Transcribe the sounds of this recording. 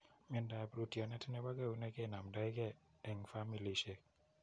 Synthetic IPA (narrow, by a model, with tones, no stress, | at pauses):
mi˧nda˨bɾu˧ti˨a˨nɛ˦tʰi˦nɛ˦ba˦kɛ˦˨u˦nɛ˦kɛ˦˨na˨mda˦jkɛ˦˨ | ɛ˨ŋfa˦mi˨li˨ʃe˦k̚